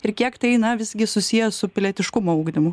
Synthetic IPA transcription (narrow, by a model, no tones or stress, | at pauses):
ɪɾkʲiɛkt̪ɐɪnɐʋʲɪzʲɡʲɪsʊsʲijɛsʊpʲɪlʲɛt̪ʲɪʃkʊmoɐʊɡd̪ʲɪmʊ